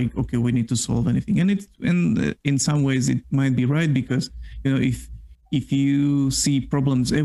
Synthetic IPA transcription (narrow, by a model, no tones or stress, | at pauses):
ɪko̰ʊkʰeɪwinid̚tʰusɑ̰lˠvɛniθɪ̃ŋɨ̃nɨtɨ̰̃n̰ɪ̃nsʌ̃mweɪzɨ̰t̚maɪt̚b̥iɹaɪt̚b̥ɨkʰʌzjɨnoʊʔɪfɪfjɨsipɹ̥ɑblə̃mzɛ